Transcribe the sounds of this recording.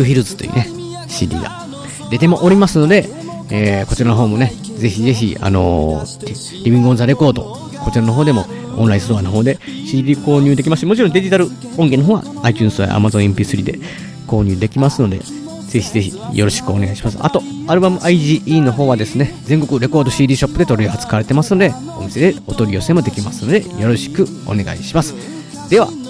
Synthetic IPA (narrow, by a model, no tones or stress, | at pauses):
ɯ̟çʲiɾɯzɨ̥t̪o̞jiɯ̰ːne̞ | ɕiːd̪ʲḭːɡa̰ | d̪e̞t̪e̞moʔoɾʲimasɨno̞d̪e̞ | eːko̞t͡ɕiɾanoɦo̞ːmo̞ne̞ | ze̞çize̞çia̰no̞̰ | ɾʲibʲĩŋɡɯõ̞nzaɾe̞ko̞ːd̪o̰ | ko̞t͡ɕiɾanoɦoːd̪e̞mo̞ | õñɾaĩsot̪okanoɦo̞ːd̪e̞ɕiːd̪ʲiːko̞ːɲ̟ɨːd̪ekʲimaɕimo̞t͡ɕiɾond̪e̞ʑit̪aɾɯ̟ | õ̞ŋɡe̞noɦoːɡa̰ | ait͡ɕɨ̃ːñsɨβa̰ʔa̰mazõĩmpʲisɨɾʲḭːd̪e̞̰ | ko̞ːɲ̟ɨːd̪e̞kʲimasɨno̞d̪e̞̰ | z̥e̞çize̞çḭjo̞ɾo̞ɕi̥kɯ̟o̞ne̞ɡaiɕimasɨ̥a̰t̪o̞aɾɯ̟bamɯ̟ʔaiʑiːʔiːno̞ɦo̞ːβad̪e̞sɨne̞ze̞ŋko̞kɯ̟ɾe̞ko̞ːd̪o̞ɕiːɾʲiːɕo̞pːɯ̟d̪e̞t̪o̞ɾʲijoɦat͡sɨ̥kaaɾe̞t̪e̞masɨno̞d̪e̞ | o̞mise̞d̪e̞o̞t̪oɾʲijo̞semo̞d̪e̞kʲimasɨno̞d̪e̞jo̞ɾo̞ɕi̥kɯ̟ | o̞̰ne̞ɡa̰ḭɕimasɨ̥ | d̪̥e̞βa̰